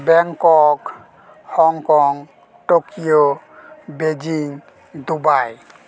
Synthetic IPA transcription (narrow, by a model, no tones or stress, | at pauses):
bɛŋkɔk | hɔŋkɔŋ | ʈokijo | bed͡ʒiŋ | d̪ubaj